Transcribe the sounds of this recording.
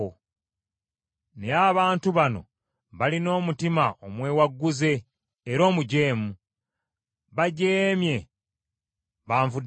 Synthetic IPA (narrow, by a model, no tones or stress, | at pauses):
o | ne̞aβaːntuβano̞̰ | βalino̞ːmutimaʔomwe̞ːwaɡːuze̞ː | ɾo̞ːmuɟe̞ːmu | βaɟeːmje̞ | βaːɱvud